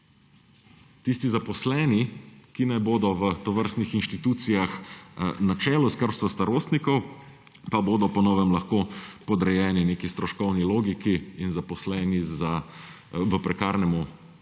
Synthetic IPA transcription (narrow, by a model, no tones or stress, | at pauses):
t̪ist̪izapɔslɛːnikinɛjboːd̪ɔʋət̪ɔʋəɾst̪nixinʃt̪it̪uːt̪sijaxnat͡ʃɛːlɔskəɾst̪ʋast̪aɾoːst̪nikɔw | paboːd̪ɔpɔnɔːʋɛmlaxkoːpɔd̪ɾɛjɛːnineːkist̪ɾɔʃkɔwniloːɡikiinzapɔslɛːniza | ʋəpɾɛkaːɾnɛmu